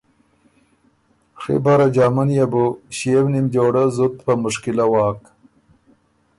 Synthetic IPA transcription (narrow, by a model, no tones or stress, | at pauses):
ʂḭbaɾad͡ʒaːmanjabuɕiewnimd͡ʒoːɽazut̪pamʊʂkɪlawɑːk